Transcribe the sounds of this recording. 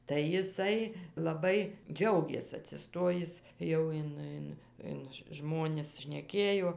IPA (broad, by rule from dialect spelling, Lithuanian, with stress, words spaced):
tɐɪ jɪˈsɐɪ lˠɐˈbɐɪ ˈd͡ʒʲɛʊɡʲeːs ɐtʲsʲɪˈstoːjɪs ˈjɛʊ ɪn ˈɪn ɪn ˈʒmoːnʲɪs ʃʲnʲɛˈkʲeːjoː